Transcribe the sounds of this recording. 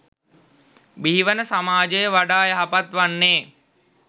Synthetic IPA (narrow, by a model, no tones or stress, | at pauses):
biːʋənəsamaːd͡ʒəjəʋaɖaːjəɦapat̪ʋanːeː